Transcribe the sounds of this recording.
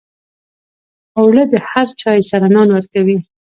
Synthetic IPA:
awɭəd̪əhaɾt͡ʃɑjsaɾanɑnwəɾkawi

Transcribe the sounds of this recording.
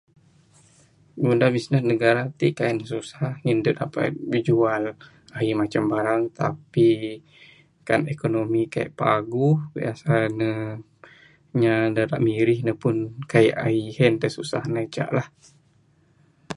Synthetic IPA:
ɡundabisnəsnəɡaɾat̪iʔkainəsusahŋindʊt̪̚apa̰t̪̚bid͡ʒual | aimat͡ʃambaɾaŋt̪api | kanekonomikaj̰ʔpaɡuhbḭasanə | ɲadaɾa̰ʔmiɾɪhnəpʊnkaiʔaihɛnt̪asusahnat͡ʃa̰ʔlah

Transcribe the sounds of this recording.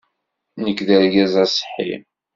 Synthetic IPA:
nəkːðəɾɡæzæsˤħḭm

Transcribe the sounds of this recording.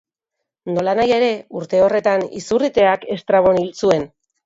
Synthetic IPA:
no̞lanaje̞ɾe̞uɾt̪e̞o̞re̞t̪anḭsurit̪e̞ake̞st̪ɾaβo̞nilt͡sue̞n

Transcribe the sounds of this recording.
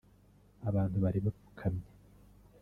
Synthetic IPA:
aβaːn̥huβaɾiβafu̥kʰamɲe

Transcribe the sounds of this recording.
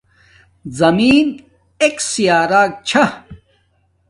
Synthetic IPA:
zɐmiːn | eksijaːɾaːk̚t͡ɕʰɐ

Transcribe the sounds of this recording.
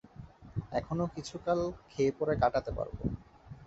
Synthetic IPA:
ɛkʰonokit͡ɕʰukalkʰeepɔɾekaʈat̪epa̰ɾbo̰

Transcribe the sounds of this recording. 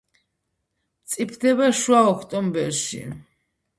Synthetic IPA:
t̪sʼipʰd̪ɛβaʃwaɔkʰt̪ʼɔmbɛɾʃḭ

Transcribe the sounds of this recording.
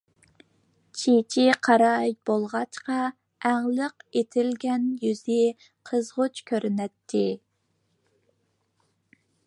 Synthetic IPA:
t͡ʃʰit͡ʃʰiqʰɑɾɑjbolˠʁɑt͡ʃqɑ | æŋlˠəqet̪ʰɪlɡʲɛnjyzɪ | qʰəzʁʊt͡ʃkʲʰøɾnɛt̪ʰːɪ

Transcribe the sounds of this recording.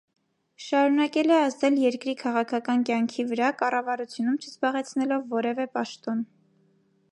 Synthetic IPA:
ʃɑɾunɑkɛlɛɑzd̪ɛljɛɾkɾikʰɑʁɑkʰɑkɑnkjɑŋkʰivəɾɑkɑrɑvɑɾut͡sʰjunumt͡ʃʰəzbɑʁɛt͡sʰnɛlɔvːɔɾɛvɛpɑʃt̪ɔn

